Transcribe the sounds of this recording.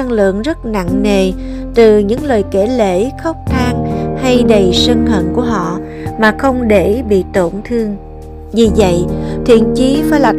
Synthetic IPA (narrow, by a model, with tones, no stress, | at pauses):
a˧ŋlɨ̰˧˨əŋzə˦˥t̚na̰˧˨ŋːe˨˩ | t̪ɨ˨˩ɲɨ̰˧˥ŋləː˨˩jke˧˩lḛ˧˥xɔ˦˥wk͡p̚t̪ʰaː˧ŋha˧jɗə˨˩jsə˧ŋhə̰˧˨nku˧˩əɦɔ̰˧˨ | maː˨˩xə˧wŋ͡mɗe˧˩ɓḭ˧˨t̪o˧˩nt̪ʰɨ˧əŋ | vi˨˩və̰˧˨jt̪ʰwḭ˧˨ənt͡ɕi˨˦faː˨˧˦jla˨˩